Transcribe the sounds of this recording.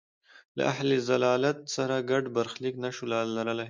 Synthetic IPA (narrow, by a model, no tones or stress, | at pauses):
la̰ʔahlezalɑːlat̪̚saɾaɡaɖbaɾxliknaʃolalaɾəla